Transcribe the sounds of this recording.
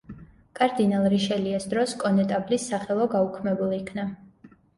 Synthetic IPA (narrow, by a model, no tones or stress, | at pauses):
kʼaɾd̪inalˠɾiʃɛliasd̪ɾɔskʼɔnɛt̪ʼablisːaχɛlˠɔɡaukʰmɛbuliːkʰna